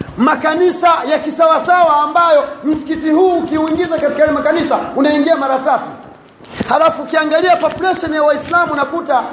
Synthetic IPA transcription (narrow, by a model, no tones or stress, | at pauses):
makanisajakisawasawaːmbajɔm̩si̥kitihuːkiuiŋɡizakati̥kajalɛmakanisaunaiŋɡiamaɾatatu̥ | halafuːkiaŋɡaliapɔpulɛʃɔnjawaislamunakuta